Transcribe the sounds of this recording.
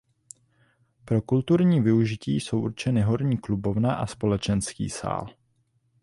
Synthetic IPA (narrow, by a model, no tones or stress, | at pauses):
pɾo̞kult̪uɾɲiːvɪuʒɪciːso̞wʔuɾt͡ʃɛnɪɦo̞ɾɲiːklubo̞vnaʔaspo̞lɛt͡ʃɛnskḭːsa̰ːl